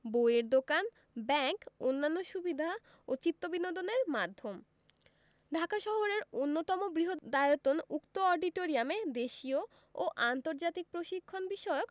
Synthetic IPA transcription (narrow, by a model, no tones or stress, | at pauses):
bojeɾd̪okan | bɛŋkonːanːoʃubid̪ʱa | ot͡ɕit̪ːobinod̪oneɾmad̪ʱːom | ɖʱakaʃɔɦoɾeɾonːot̪ɔmobɾiɦod̪ajot̪ːonukt̪oɔɾɖiʈoɾiamed̪eʃio | oʔant̪oɾd͡ʑat̪ik̚pɾoʃikʰːonbiʃɔeok